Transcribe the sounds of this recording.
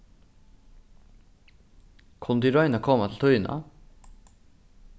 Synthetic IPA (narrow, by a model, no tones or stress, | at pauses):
kʰʊnd̪iɾɑʏnɑkʰɔmɑt̪ʰl̩t̪ʰɔʏnʔɑ̰